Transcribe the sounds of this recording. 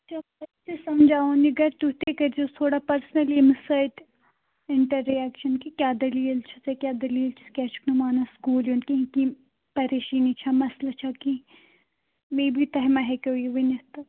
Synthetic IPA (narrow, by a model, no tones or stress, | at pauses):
t͡ʃɐɐt̪esɐmd͡ʒaːõniɡɐɾt̪ut̪ekɐɾd͡ʒot̪ʰoːɽapɐɾsnɐlemɪsaːɪʈ | ɪɳʈɐɾːiɛːkʃɐnkikjaːd̪ɐliːlt͡ʃʰɐ̥t̪ekʲjaːd̪ɐliːlt͡ʃʰɐ̥kʲɛːt͡ʃknumaːnaskuːljonkiɦki | pɐɾeːʃiːnit͡ʃʰamɐslat͡ʃʰaki | meːbʱit̪ɐɦmɐɦɛkeojeʋinɪt̪ɐ